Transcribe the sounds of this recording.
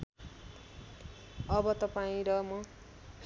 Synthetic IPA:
ʌbʌt̪ʌpaĩɾʌmʌ

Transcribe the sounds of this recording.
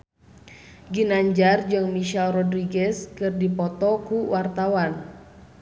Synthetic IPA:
ɡinaɲd͡ʒard͡ʒɨŋmiʃalrɔdɾiɡɛskɨrdipɔt̪ɔkuwart̪awan

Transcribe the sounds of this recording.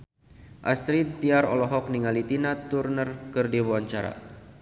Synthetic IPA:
ʔast̪ɾit̪̚d̪iaɾɔlɔɦɔk̚niŋalit̪inat̪urnərkɨrdibawaɲt͡ʃaɾa̰

